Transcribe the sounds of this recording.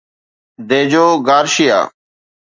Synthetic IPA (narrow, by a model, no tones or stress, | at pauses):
d̪eːd͡ʒoːɡaːɾʃɪja̰ː